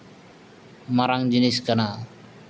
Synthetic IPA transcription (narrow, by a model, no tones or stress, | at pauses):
maɾaŋd͡ʒiniskənaː